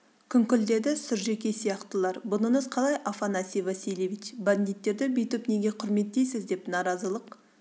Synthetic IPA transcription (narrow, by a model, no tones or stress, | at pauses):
kʲʰʏŋkʲʏld̪e̞d̪ɪsʊɾʒe̞kʲe̞sijɑqt̪əlˠɑɾbʊnəɴəzqʰɑlˠɑjʔafanasijvasilʲevʲit͡ʃband̪ijt̪ːe̞ɾd̪ɪbɪjt̪ʏpne̞ɡʲe̞qʰʊɾme̞t̪̚ːejsɪzd̪e̞pnɑɾɑzəlˠəq